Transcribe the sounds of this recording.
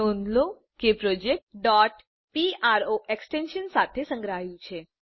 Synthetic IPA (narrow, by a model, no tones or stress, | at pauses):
ond̪lo | kepɾod͡ʒek̚ʈɖɔʈ | piaɾoʔeksʈenʃənsat̪ʰesə̃ŋɡɾaɦjũt͡ʃʰe